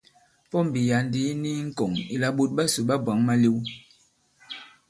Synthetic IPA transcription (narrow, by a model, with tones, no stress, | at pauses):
pɔ˦m̩˨bi˨ja˨ndi˨˦ni˦ŋ̩˦ko˨ŋi˨la˨ɓo˦t̚ɓa˦su˨ɓa˦bwa˨˦ŋma˦li˦w